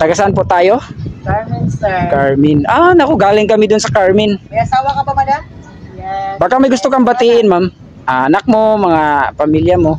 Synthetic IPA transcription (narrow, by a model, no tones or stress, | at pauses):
t̪ɐɡasɐanpoʔt̪aːjo | kaɹmɪnʔanɐkoɡaːlɪŋkɐmɪd̪ʊnsɐkaɹmɪnmɐɐsaːwɐkɐbɐbɐla | baːkamɐjɡʊst̪okɐŋbɐt̪iʔɪnmam | ʔɐʔɐnak̚momɐŋapɐmiljɐmo